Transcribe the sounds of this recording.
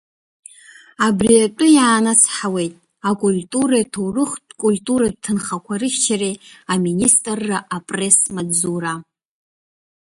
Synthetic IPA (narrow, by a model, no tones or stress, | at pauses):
abriatʷʼʊjaːnat͡sʰħawe̞jtʼ | akʼultʼuɾatʰowrɨχtkʼultʼuɾad̚tʰɨnχakʷʰaɾɨʃt͡ʃʰareaministʼrːaʔapʼre̞smad͡zuɾa